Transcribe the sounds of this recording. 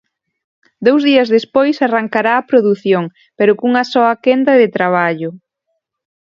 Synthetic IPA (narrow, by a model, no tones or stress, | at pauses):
d̪owzðiɐzðespojsaraŋkaɾaːpɾoðuθjoŋ | peɾʊkuŋɐsɔɐkend̪ɐðɪt̪ɾaβ̞aʎʊ